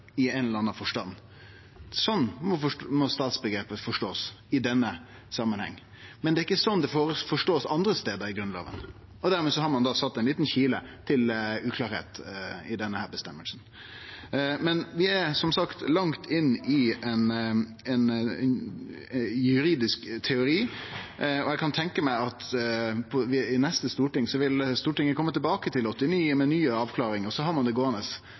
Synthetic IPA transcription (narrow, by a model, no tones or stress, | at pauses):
ɪɛnləɾɑnːɑfɔʂʈɑnː | sɔnːmɔfmɔst̪ɑːt̪sbəɡɾeːpəfɔʂʈoːsɪd̪ɛnːə | sɑmːənhɛ̰ŋː | mɛnd̪ɛːɪkːəsɔnd̪ɛfoːɾəfɔʂʈoːsɑnd̪ɾəst̪eːd̪əɾɪɡɾʉnlɑ̰ːʋə̰n | ɔd̪æɾmeːsɔhɑɾmɑnd̪ɑsɑt̪ːɛɪnliːt̪nçiːlə̰t̪ʰɪlʉːkʰlɑːɾhḛːt̪ɪd̪ɛnːəhæːɾbɛst̪ɛmːəlsn | mɛnʋɪæsɔmsɑkt̪lɑŋt̪ʰɪnːɪɛn | ɛn | jʉɾiːd̪ɪskt̪ʰɛʊɾiː | ɔɛkɑnt̪ʰɛŋkəmæɪɑt̪pʰɔʋɪɪnɛst̪əst̪uːʈɪŋːsɔʋɪlst̪uːʈɪŋːəkʰɔmːət̪ɪlbɑːkət̪ʰɪlɔt̪ːɪniːəmɛnyːəɑːʋkʰlɑːɾɪŋəsɔɦɑɾmɑnd̪ɛɡoːnəs